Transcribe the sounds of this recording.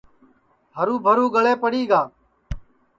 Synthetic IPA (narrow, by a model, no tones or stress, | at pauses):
ɦəɾuːbʱəɾuːɡəɭeːpəɽiːɡaː